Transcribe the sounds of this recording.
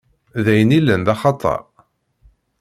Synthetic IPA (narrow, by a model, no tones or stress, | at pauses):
ðæjənilənðɑχɑt̪ˤɑ̰ɾ